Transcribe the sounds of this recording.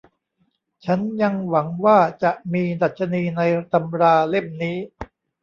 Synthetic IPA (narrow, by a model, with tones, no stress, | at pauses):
t͡ɕʰa˦˥nja˧ŋwa˩˦ŋwaː˥˩t͡ɕa˨˩ʔmiː˧da˨˩t̪̚t͡ɕʰa˧niː˧na˧jt̪a˧mɾaː˧le˥˩mniː˦˥